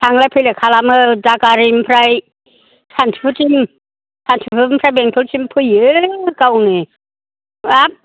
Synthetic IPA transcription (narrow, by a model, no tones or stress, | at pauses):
tʰaŋlapʰɯjlakʰalamɯd͡ʒakaɾimpʰɾaj | sʰantʰipʰut͡ʃim | sʰantʰipʰɯmpʰɾajbeŋt̪ʰolsimpʰɯjɯkawni | ap̚